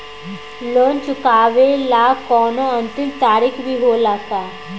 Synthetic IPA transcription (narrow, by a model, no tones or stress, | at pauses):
loːnt͡ʃʊkaːʋelaːkɔːnoɐnt̪ɪmt̪aːɾikʰbʱiɦolaːt̪aː